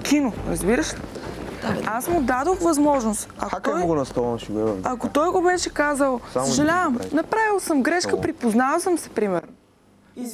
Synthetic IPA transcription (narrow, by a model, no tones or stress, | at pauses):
kʲʰinoɾɐzbiɾəʃɛ | asmʊd̪ad̪oxvɐzmɔʒnost̪ɐoɔjɡonɐst̪ɔvˠɐmʃiɡɛvɐkot̪ɔjɡobɛʃɛkazəlˠsəʒɛlʲavəmnɐpɾavilˠsəmɡɾɛʃkəpɾipoznavəlˠsəmsɛ̥pɾimɛɾnʊ